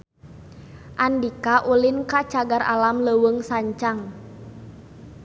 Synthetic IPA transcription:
ʔandikaʔulinkat͡ʃaɡaɾa̰lamləwəŋsaɲt͡ʃaŋ

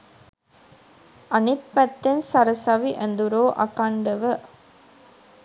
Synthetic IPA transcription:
ɐnit̪̚pɛt̪ːensɐɾɐsɐʋiʔend̪uɾoːʔɐ̰kaɳɖɐʋə

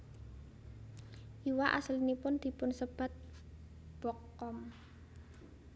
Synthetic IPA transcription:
ʔiwaʔa̰slinipʊnd̪̥i̤pʊnsəb̥a̤t̪̚ | b̥ɔkː | ɔm

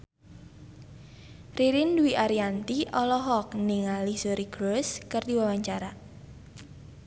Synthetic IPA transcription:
riɾinduwiʔaɾiant̪iʔɔlɔɦɔk̚niŋalisoɾiɡɾoskərd̪iwawaɲt͡ʃaɾa

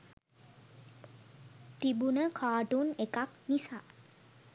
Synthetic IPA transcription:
t̪ibunəkʰaːʈunekaknisa

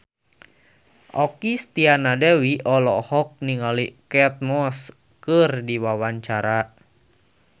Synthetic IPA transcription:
ʔɔkist̪ianadɛwiʔɔlɔhɔk̚niŋalikɛt̪̚mɔs | kərdiwawaɲt͡ʃaɾa

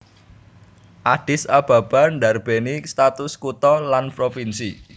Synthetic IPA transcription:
ʔaɖ̥ɪsab̥a̤b̥a̤nɖa̤rb̥enist̪at̪ʊskut̪ɔlanpɾofinsi

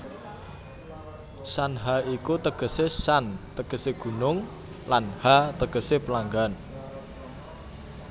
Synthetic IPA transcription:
sanɦaikut̪əɡ̥ə̤sesant̪əɡ̥əseɡ̥ṳnʊŋ | lanhat̪əɡ̥ə̤sepəlaŋɡan

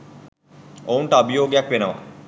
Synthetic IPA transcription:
ounʈəabijoːɡejakʋenəʋa̰

